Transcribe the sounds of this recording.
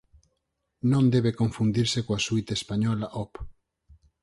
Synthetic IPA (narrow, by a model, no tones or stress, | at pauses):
nõnd̪eβekoɱfund̪iɾsekoasujt̪espaɲɔlaʔɔp